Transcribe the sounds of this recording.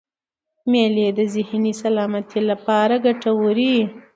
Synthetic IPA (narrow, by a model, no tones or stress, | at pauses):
meled̪əzɪhnisalɑmat̪ʰilapɑɾaɡaʈawuɾi